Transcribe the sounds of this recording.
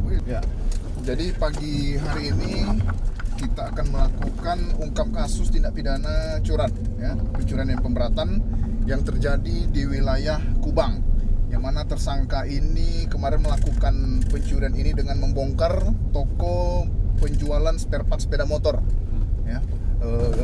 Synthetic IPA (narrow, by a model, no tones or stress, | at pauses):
ja | d͡ʒadipaɡiɦaɾiːni | kit̪aːkanməlakukanuŋkap̚kasʊst̪indaʔpidanat͡ʃuɾanjapəɲt͡ʃuɾanjanpəmbəɾat̪anjaŋt̪ərd͡ʒadidiwilajahkubaŋjaŋmanat̪ərsaŋkaʔinikəmaɾɪnməlakukanpəɲt͡ʃuɾianinidəŋanməmbɔŋkərt̪ɔkɔpəɲd͡ʒualansperpat̪spedamot̪ɔrja | ə